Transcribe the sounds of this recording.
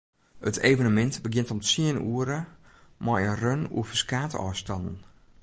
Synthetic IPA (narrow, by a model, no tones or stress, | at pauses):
ətʰeːvənəmɛntbəɡjɪntɔmsiənṵəɾə | mɔjənrønṵəfəskaːtə̰ʔɔjstɑnn̩